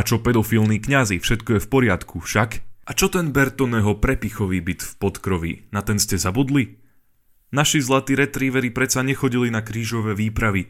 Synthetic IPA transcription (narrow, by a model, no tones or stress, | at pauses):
at͡ʃɔpɛd̪ɔfilniːkɲazifʃɛt̪kɔjɛfpɔɾɪat̪kʰufʃakat͡ʃɔt̪ɛnbɛɾt̪ɔnɛɦɔpɾɛpixɔʋiːbit̪fpɔt̪kɾɔʋḭnat̪ɛnscɛzabud̪li | naʃizlˠat̪iːɾɛt̪ɾiːʋɛɾipɾɛt̪t͡saɲɛxɔɟilinakɾiːʒɔʋɛːʋiːpɾaʋi